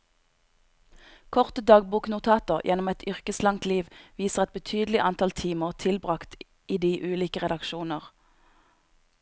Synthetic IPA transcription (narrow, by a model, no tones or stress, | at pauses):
kʰɔʁt̪əd̪ɑːɡ̚buːknʊt̪ʰɑːt̪əʁjʔɛnɔmɛt̪ʰʏʁkəslɑŋt̪liːʋʋiːsəʁɛt̪̚bət̪ʰyːd̪lɪʔɑnt̪ɑlt̪ʰiːməʁt̪ʰɪlbʁɑkt̪ | iːd̪iːʔʉːliːkəʁɛd̪ɑkʃuːnəʁ